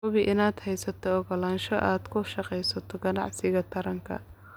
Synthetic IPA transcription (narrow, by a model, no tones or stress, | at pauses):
ʊβɪʔɪnaːd̪hɛjsɐt̪ʰɔːɣɐlaːnʃɔʔaːd̪kʰʊʃɐqɛjsɐt̪ʰɔɡɐnɑ̰ʕsɪɣɐt̪ʰɐɾɐŋkʰɐ̰